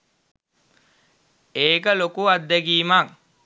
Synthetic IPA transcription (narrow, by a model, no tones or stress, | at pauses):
eːkəlokuad̪ːɛɡiːmaŋ